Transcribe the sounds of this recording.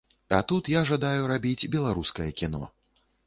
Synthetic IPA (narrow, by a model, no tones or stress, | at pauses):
at̪ut̪jaʐad̪ajuɾabʲid͡zʲbʲɛlˠaɾuskɐjɐkʲinɔ̰